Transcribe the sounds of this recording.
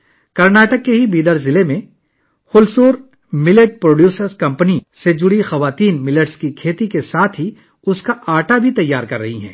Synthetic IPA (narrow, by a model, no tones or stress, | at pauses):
kɐɾnaːʈəkːeɦibiːd̪əɾzɪlemẽ | xʊlsuːɾ | mɪləʈ̚pɾoːɖjuːsəɾskɐ̃mpnised͡ʒʊɽixɐʋaːt̪iːnmɪləʈskikʰeːt̪ikesaːt̪ʰɦi | ʊskaʔaːʈabʱit̪ɐjːaːɾkɐɾːɐ̰ɦiɦɛ̰̃ː